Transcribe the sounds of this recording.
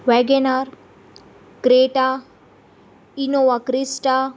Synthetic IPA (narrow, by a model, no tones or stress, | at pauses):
ʋɛɡenaɾ | kɾeːʈa | inoʋakɾisʈa